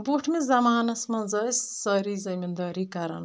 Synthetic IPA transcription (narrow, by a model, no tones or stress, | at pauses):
boʈʰmẽzɐmaːnɐsmɐ̃zɐssɐɾizɐmind̪ɐɾikɐɾɐ̰n